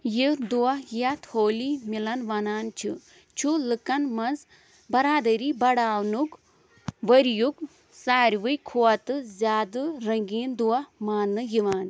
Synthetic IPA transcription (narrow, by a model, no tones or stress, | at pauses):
jid̪uwɐhjɐt̪hoːlimilɐnʋɐnaːnt͡ʃʰḭ | t͡ʃʰulɨkɐnmɐnz | bɐɾaːd̪ɐɾiːbɐɽaːwnuk | ʋɐɾjuk | saːɾʲʋɨjkʰuwɐt̪ɨzʲaːd̪ɨɾɐŋɡiːnd̪uɐmaːnːɨjiʋaːn